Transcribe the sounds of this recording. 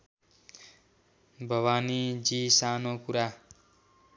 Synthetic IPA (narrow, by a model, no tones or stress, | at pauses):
bʱʌwanid͡zisanokuɾa